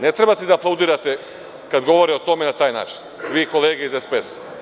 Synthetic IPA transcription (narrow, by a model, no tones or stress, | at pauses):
net̪ɾebat̪ed̪aːplˠaud̪iːɾat̪e | kad̪ɡo̞ʋo̞ɾeot̪o̞menat̪aːjna̰ːt͡ʃi̥nʋiːko̞leːɡeizespes